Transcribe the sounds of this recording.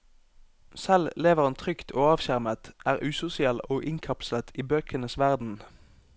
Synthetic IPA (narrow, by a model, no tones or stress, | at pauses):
sɛlleːʋəʁɑnt̪ʰʁʏkt̪ʰoːɑːʋçæʁmət̪ʔæːʁʉːsʊsɪɛloːʔɪŋkʰɑpslət̪ʰiːbøːkʰənəsʋæʁd̪n̩